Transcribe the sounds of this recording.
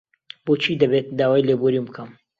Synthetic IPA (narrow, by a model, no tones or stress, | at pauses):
boːt͡ʃʰiːd̪ɐbeːt̪̚d̪aːwaːjleːboɾibɨkʰɐm